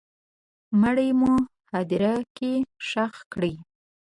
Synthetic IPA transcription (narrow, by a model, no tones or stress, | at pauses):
məɽəjmu | had̪iɾakeʃaxkɽi